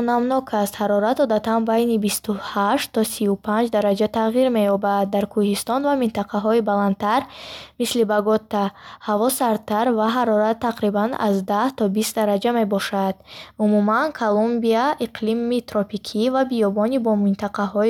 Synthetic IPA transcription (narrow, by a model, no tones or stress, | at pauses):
ɔnamnɔkʰast̪haɾɔɾat̪ɔd̪at̪anbajnibist̪uhaʃt̪ʰːɔsiupʰand͡ʒd̪aɾad͡ʒat̪ʰaʁiɾme̞jɔbad̪̚ːaɾkʰuhist̪ɔnvamint̪aqʰaɦɔibaland̪̚t̪ʰaɾmislibaɡɔt̪ːahavɔsaɾt̪ʰaɾvaɦaɾɔɾat̪ʰːaqɾibana̰zd̪aht̪ʰɔbist̪̚d̪aɾad͡ʒame̞bɔʃad̪̥̚umumankʰalumbiaʔiqʰlimit̪ɾɔpikʰivabijɔbɔnibɔmint̪aqʰaɦɔ